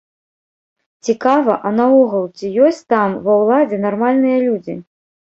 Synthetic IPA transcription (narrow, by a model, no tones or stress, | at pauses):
t͡sʲikavɐʔɐnaɔɣɐlˠt͡sʲijɔsʲt͡sʲt̪amvɐwlˠad͡zʲɛnarmalʲnɨjɐlʲud͡zʲḭ